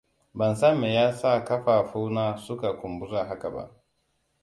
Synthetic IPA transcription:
bɐ˨nsa˦˨me˨jaː˦sa˦˨kɐ˦ɸaː˨ɸu˦wnaː˦sʊ˦ka˨kʷʊ˨mbʊ˦za˦˨ɦa˦ka˨ba̰˦ʔ

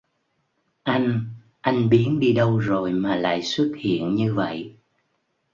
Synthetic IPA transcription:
ʔa˧jŋ̟ | ʔa˧jŋ̟ɓi˨˦ənɗi˧ɗə˧wzo˨˩jmaː˨˩la̰ː˧˨jswə˦˥t̚hḭ˧˨ənɲɨ˧və̰˧˨j

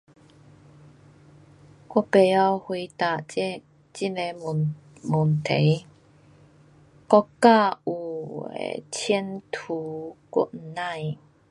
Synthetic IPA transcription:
kɔ˥˨pe˨˩ja˧whwi˧t̪a˨˩˧ | t͡ɕi˥ne˧˨ | mu˨˩nt̪ʰe˨˦j | kɔ˥˧kːa˥˧u˨˩ḛ˨˩t͡ɕʰɛ˧˦nt̪ʰu˨˦kṵ˧˥ʔn̩˨nã˥˧˨j

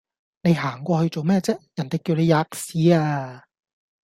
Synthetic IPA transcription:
ne˨˧jɦaː˨˩ŋkʷɔː˧hɵ˧jt͡so˨wmɛː˥t͡sɛː˥jɐ˨˩nt̪e˨jki˧wne˨˧jaː˧k̚siː˨˥aː˧

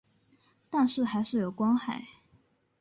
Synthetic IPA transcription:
t̪a˥˧nʂɻ̩˥˩xa˧˥ɪʂɻ̩˥˩jo˨˩ʊkwɑ˥ŋxa˨˩˦ɪ

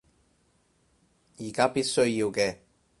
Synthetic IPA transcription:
jiː˨˩kaː˥piː˥t̚sɵ˥ɥjiː˧wkɛː˧

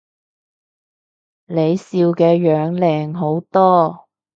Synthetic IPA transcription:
le˨˧jsiː˧wkɛː˧jœː˨˧ŋlɛː˨ŋɦo˨˥wt̪ɔː˥

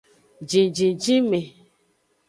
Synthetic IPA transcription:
d͡ʒĩ˨d͡ʒĩ˨d͡ʒi˦me˨

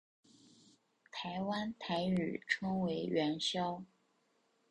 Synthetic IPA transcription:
t̪ʰa˧˥ɪwa˥nt̪ʰa˧˥ɪy̰˨˩ʈ͡ʂʰɤ˥ŋwe˧˥ɪɥɛ˧˥nɕjɑ˥ʊ

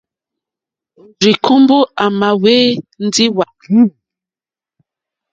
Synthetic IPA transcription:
ɾi˨kʰu˦mbo˦ʔa˨ma˨weː˦n̩˦di˦wa˨˦

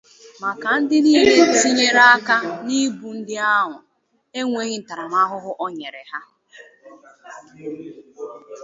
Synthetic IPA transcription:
ma˨ka˨n̩˦dɪ˦ni˦ɲe˦˨si˦ɲe˦ɾa˦a˦ka˦ni˦bu˨n̩˦dɪ˦a˦ɦʊ˨ | e˦ŋʷe˦ɣɪ˦n̩˨ta˨ɾa˨m˦a˦ɦʊ˦ɦʊ˦ʔɔ˦ɲe˨ɾḛ˨ɦa˦

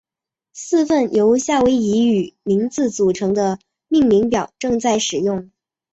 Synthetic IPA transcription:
sɹ̩˥˧fə˥˩njʔo˧˥ʊɕja˥˩we˧˥ɪi˧˥y˨˩mi˧˥ŋt͡sɹ̩˥˩t͡su˨˩ʈ͡ʂʰɤ˧˥ŋd̪ə˧ | mi˥˩ŋli˧˥ŋpjɑ˨˩ʊʈ͡ʂɤ˥˧ŋt͡sa˥˩ɪʂɻ̩˨˩jʊ˥˩ŋ

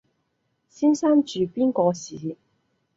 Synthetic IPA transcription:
siː˥nsaː˥nt͡ʃyː˨˩piː˥nkɔː˧sḭː˨˦

